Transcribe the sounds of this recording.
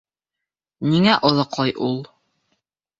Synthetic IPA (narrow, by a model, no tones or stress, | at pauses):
niŋæʔŏðɤqlˠɑjʔulˠ